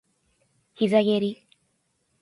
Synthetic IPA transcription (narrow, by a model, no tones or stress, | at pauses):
hizaɣeɾi